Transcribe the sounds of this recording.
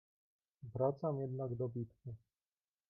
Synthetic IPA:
vɾat̪samjɛd̪naɡd̪ɔbʲit̪ku

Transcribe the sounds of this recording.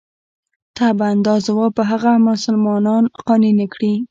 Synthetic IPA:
t̪aband̪ɑzwɑpəɦaɣamʊsʊlmɑnɑnqɑninekɽi

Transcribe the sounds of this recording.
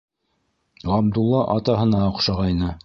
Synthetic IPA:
ʁɑbd̪ulˠːɑʔɑt̪ɑɦɤ̆nɑŏqʃɑʁɑjnɤ

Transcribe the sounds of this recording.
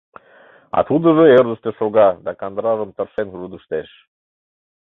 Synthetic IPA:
ɑ̰t̪ud̪əʒəerd̪əʃt̪eʃoɣɑd̪ɑkɑnd̪ɾɑʒəmt̪ərʃenrud̪əʃt̪eʃ

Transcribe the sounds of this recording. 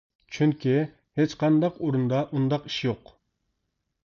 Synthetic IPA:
t͡ʃʰyŋkʲʰi | het͡ʃqʰɑnd̪ɑqoɾund̪ɑʔund̪ɑqi̥ʃjoq

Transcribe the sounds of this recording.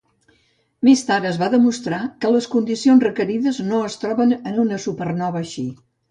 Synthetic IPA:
mest̪aɾəzβaðəmust̪ɾakələskund̪isionzrəkəɾiðəznoəst̪ɾɔβənənunəsupərnɔβəʃi

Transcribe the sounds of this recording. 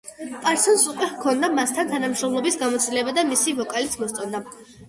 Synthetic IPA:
pʼaɾsɔnsukʼwɛkʰɔnd̪amast̪ʰant̪ʰanamʃɾɔmlˠɔbisɡamɔt̪sʼilɛbad̪amisivɔkʼalit̪sʰmɔst̪sʼɔnd̪a

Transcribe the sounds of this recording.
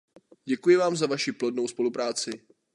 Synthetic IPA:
ɟɛkujɪvaːmzavaʃiplo̞dnowspo̞lupɾaːt͡sɪ

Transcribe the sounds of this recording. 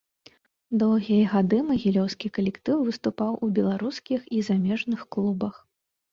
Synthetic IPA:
d̪ɔwɣʲijɐɣad̪ɨmɐɣʲilʲɔwskʲikɐlʲɛkt̪ɨwvɨst̪upawʔubʲɛlˠaɾuskʲixizamʲɛʐnɨxklˠubɐx

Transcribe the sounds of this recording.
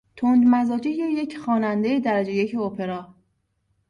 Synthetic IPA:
t̪ʰond̪mæzɒːd͡ʒijejecʰxɒːnænd̪ejed̪æɾæd͡ʒejecʰeopʰeɾɒː

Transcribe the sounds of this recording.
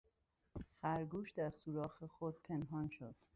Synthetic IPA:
xæɾɡuːʃd̪æɾsuːɾɒːxexod̪̥̚pʰe̞nɦɒːnʃod̪̥

